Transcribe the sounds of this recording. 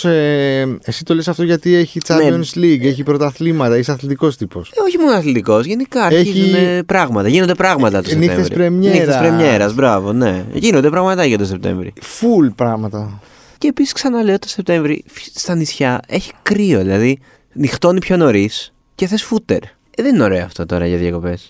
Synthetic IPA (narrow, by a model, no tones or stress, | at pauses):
eesi̥t̪o̞lesɐft̪oʝɐt̪ieçit͡sɐneonsliɡeçipɾot̪ɐθlimɐt̪ɐeçsɐθlit̪iko̞st̪ipo̞so̞çimonosɐθlit̪iko̞sʝe̞nikɐɐɾeçiziunepɾɐɣmɐt̪ɐʝinond̪e̞pɾɐɣmɐt̪ɐt̪osenit̪ḛevɾsɾ̰iɾemneiespɾemɲe̞ɾɐzbɾɐvo̞ne̞̰ʝinond̪e̞pɾɐɣmɐt̪ɐet̪ose̞p̚t̪ḛɱvɾḭfulpɾɐɣmɐt̪ɐ | ceːpisi̥sksɐnɐle̞ot̪ose̞p̚t̪ẽ̞ɱvɾḭfst̪ɐnisçɐe̞çi̥kɾio̞ðilɐði | nixt̪o̞nipço̞no̞ɾis | ce̞θe̞sfut̪e̞̰ɾ | ðenino̞ɾe̞oɐft̪o̞t̪o̞ɾɐ̰ʝɐðjɐko̞pe̞s